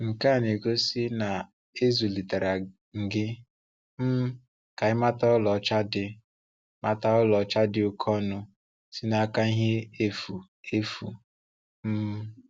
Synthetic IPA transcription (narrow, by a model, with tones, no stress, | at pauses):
ŋ̩˨ka˦˨n˨e˨ɡo˦sɪ˦na˨ | e˦zu˨li˨ta˨ɾa˨ | ŋ̩˨ɡɪ˦ | m̩˦ | ka˨ɪ˦ma˦ta˦ɔ˦lɔ˨˦t͡ʃa˦dɪ˨ | ma˦ta˦ɔ˦lɔ˨˦t͡ʃa˦dɪ˨ʊ˦kʰɔ˦nʊ˨ | si˦na˦ka˦ɦe˦e˦fu˨ | e˦fu˨ | m̩˦